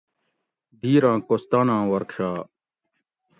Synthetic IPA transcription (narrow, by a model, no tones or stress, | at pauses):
d̪ʱiːɾãːkost̪aːnãːwɐɾkɕaː